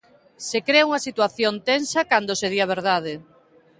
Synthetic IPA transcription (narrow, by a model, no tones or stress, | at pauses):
sekɾeuŋɐsit̪waθjont̪ensɐkand̪oseð̞iɐβ̞eɾðað̞ɪ